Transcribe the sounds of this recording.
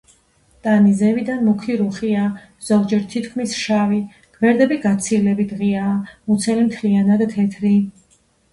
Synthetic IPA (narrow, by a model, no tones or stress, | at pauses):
t̪ʼanizɛvid̪anmukʰiɾuχia | z̥ɔɡd͡ʒɛɾt̪ʰit̪ʰkʰmisʃavi | ɡ̥ʰʼvɛɾd̪ɛbiɡat̪sʰilɛbit̪ʁiaːmut̪sʰɛlimt̪ʰlianad̪t̪ʰɛt̪ʰɾi